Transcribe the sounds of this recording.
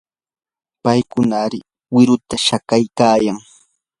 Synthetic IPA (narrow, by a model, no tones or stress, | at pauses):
pajkʊnaɾɪ | wɪɾʊt̪aʃakajkaːjaŋ